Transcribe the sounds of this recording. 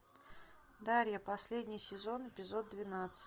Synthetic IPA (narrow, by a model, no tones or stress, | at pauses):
d̪aɾʲjəpɐsʲlʲedʲnʲɪjsʲɪzo̞npʲɪzo̞d̪̚d̪ːvʲɪnat̪sɨ̥